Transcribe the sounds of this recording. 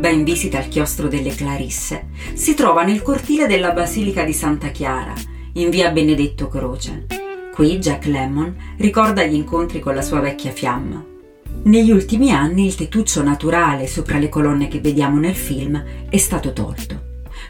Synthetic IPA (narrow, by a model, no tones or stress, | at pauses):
b̪aiɱviːzit̪aːlk̟jɔst̪ɾod̪elːeklaɾisːe | sit̪ɾɔːvanelkort̪iːled̪elːabaziːlikad̪isant̪akjaːɾa̰ | iɱviːabened̪et̪ːokɾoːt͡ʃḛkwid͡ʒakːlɛmon | rikɔrd̪aʎːiŋkont̪ɾikonlasuːavɛkːjafjamːa̰ | neʎːiult̪imianːiːlt̪et̪ːut͡ʃːonat̪uɾaːlesoːpɾalekolɔnːek̟evːed̪jaːmonelfilmɛst̪aːt̪ot̪ɔ̰lt̪o